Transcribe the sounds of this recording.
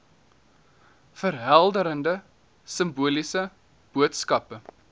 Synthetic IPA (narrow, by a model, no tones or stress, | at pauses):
fəɾɦælˠdəɾəndə | səmbuəlisə | b̥uətskɐpə